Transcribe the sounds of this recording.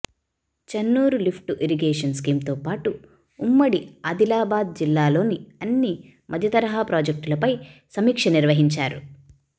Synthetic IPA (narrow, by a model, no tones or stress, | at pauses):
t͡ʃɐnːuːɾulipʰʈuʔiɾiɡeːʂɐnskiːmt̪oːpaːʈuː | mːɐɽiɐd̪ilaːbaːd̪̚d͡ʒilːaːlo̞ːniɐnːi | mʔɐd̪ʱjɐt̪ɐɾɐɦaːpɾoːd͡ʒek̚ʈulɐpɐjsɐmiːkʂɐniɾʋɐɦiɲt͡ʃaːɾṵ